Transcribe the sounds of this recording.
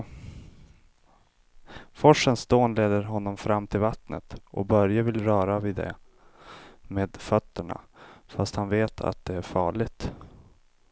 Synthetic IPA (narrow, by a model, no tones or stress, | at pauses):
fɔʂːənsd̪oːnleːd̪əɾɦɔnːɔmfɾamːt̪ʰɪlvat̪nə̰t̪ʔɔ̰bœɾjavɪlɾœːɾaviːd̪ɛ̰ | meːd̪fœt̪ːəɳa̰fast̪hanveːt̪ʰa̰t̪̚d̪ɛæɾfɑːɭɪɡt̪